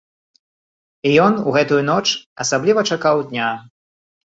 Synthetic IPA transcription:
ijɔnuɣɛt̪ujunɔt͡ʂɐsablʲivɐt͡ʂakawd̪ʲnʲa

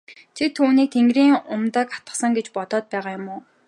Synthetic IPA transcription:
t͡ɕʰit̪ʰuːniːk̚t̪ʰeŋɡriːŋʊmt̪ə̆ːkḁt̪ə̥̆χsə̆ŋɡet͡ɕpɔt̪ɔːt̪̚pæːʁaːjʊmʊː

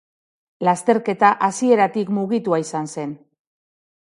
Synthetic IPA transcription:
last̪e̞ɾke̞t̪aʔasie̞ɾat̪ikmuɣ̞it̪uaisanse̞n

